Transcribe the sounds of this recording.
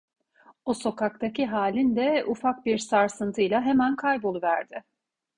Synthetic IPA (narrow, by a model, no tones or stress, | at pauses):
oso̞kak̚t̪ʰaciɦaːlʲind̪ɛufak̚biɾsaɾsɯnt̪ʰɯjlˠaɦe̞mænkʰajbo̞lˠuvæɾd̪ɪ